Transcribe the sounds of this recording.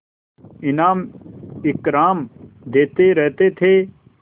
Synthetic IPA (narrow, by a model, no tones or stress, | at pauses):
ɪnaːmɪkɾaːmd̪eːt̪eɾɛɦt̪et̪ʰeː